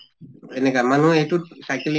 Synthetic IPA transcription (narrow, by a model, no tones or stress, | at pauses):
enɛkaman̤ũetusajkli